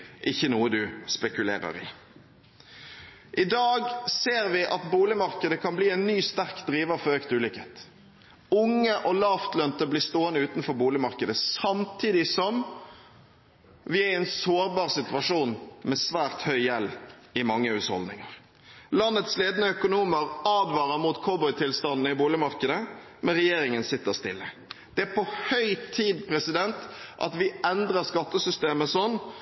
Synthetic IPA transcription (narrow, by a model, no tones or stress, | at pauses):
ʔɪçːənuːəd̪ʉspɛkʉlḛːɾə̰ɾɪ | ʔɪd̪ɑːɡseːɾʋɪʔɑt̪buːlɪmɑʁkəd̪əkʰɑnbliːɛɪnnːyːst̪æʁkd̪ɾiːʋəfɔɾøːkt̪ʉːlʏkheːt̪ | ʊŋːəʔɔlɑft̪lœnt̪əblɪst̪oːənəʉːt̪nfɔɾbuːlɪmɑɾkəd̪əsɑmt̪ʰiːd̪ɪsɔm | ʋɪæɾɛɪnsoːɾbɑːʁsɪt̪ʉʋɑʂuːnmɛsʋæːɾt̪hœʏjɛlːɪmɑŋːəʉːshɔ̰ld̪nɪ̰ŋɑɾ | lɑnːət̪sleːd̪nəœkʊnuːməɾɑːd̪ʋɑːɾəɾmut̪kʰuːbɔʏt̪ʰɪlst̪ɑnnəɪbuːlɪmɑɾkəd̪ə | mɛnɾɛjeːɾɪŋənsɪt̪ːəɾst̪ɪlːə | d̪̥ɛæɾpʰɔhœʏt̪ʰiːd̪pʰɾɛsɪd̪ɛnt̪ʔɑ̰t̪ʋɪɛnd̪ɾəɾskɑt̪ːəsʏst̪eːməsɔnː